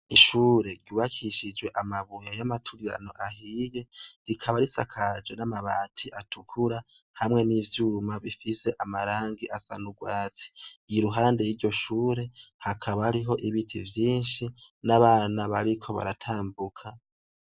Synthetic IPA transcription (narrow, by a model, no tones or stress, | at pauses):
iʃuːɾe̞ɾɟuβakʰiʃid͡ʒwe̞ʔamaβujajamatʰuɾiɾa̰no̞̰ʔahiːje̞ɾikʰaβaɾisa̰kʰad͡ʒwe̞namaβa̰ːtʰiʔatʰukʰuɾa | hamŋe̞niːvjuːmaβifise̞ʔamaɾaːŋɡiʔasa̰nuɡwaːt͡si̥ɾuɦaːnde̞jiːɾɟo̞ʃuːɾe̞hakʰaβahaɾiɦo̞ʔiβitʰivjiːnʃi | naβaːnaβaɾikʰo̞βa̰ɾatʰaːmbukʰa